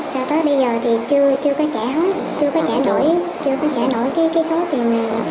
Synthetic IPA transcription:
t͡ɕɔ˧˩t̪əː˨˦jɓə˧jzəː˨˩t̪ʰi˨˩t͡ɕɨ˧ət͡ɕɨ˧əkɔ˨˦t͡ɕaː˧˩ɦə˨˦˥t | t͡ɕɨ˧əkɔ˨˦t͡ɕaː˧˩no̰˧˩˨jt͡ɕɨ˧əkɔ˨˦t͡ɕaː˧˩no̰˧˩jkaː˨˦jkaː˨˦jso˨˦t̪i˨˩ən˨˩

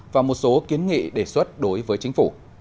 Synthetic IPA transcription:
vaː˨˩mo˨˩t̚so˨˦ki˨˦ənŋḭ˧˨ɗe˧˩swə˦˥t̚ɗo˨˦jvəː˨˦jt͡ɕŋ̟fu˧˩

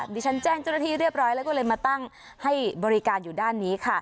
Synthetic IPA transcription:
diː˧˩t͡ɕʰa˦˥nt͡ɕɛː˥˩ŋt͡ɕa˥˩wna˧t̪ʰiː˥˩ɾɯ˥˩əp̚ɾɔː˦˥jlɛ˦˥wkɔ˥˩lɤː˧jmaː˧t̪a˥˩ŋ | ha˥˩jbɔː˧ɾi˦kaː˧njuː˨˩daː˥˩nːiː˦˥kʰa˥˩

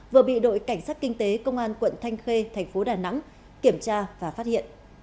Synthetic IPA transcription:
vɨ˨˩əɓḭ˧˨ɗo̰˧˨jka˧˩jŋ̟saː˦˥t̚kï˧ŋ̟t̪e˨˦kə˧wŋ͡mʔaː˧nkwə̰˧˨nt̪ʰa˧jŋ̟xe˧t̪ʰɛ˨˩jŋ̟fo˨˦ɗaː˨˩na̰˧˥ŋ | ki˧˩əmt͡ɕaː˧vaː˨˩faː˦˥t̚hḭ˧˨ənʔ

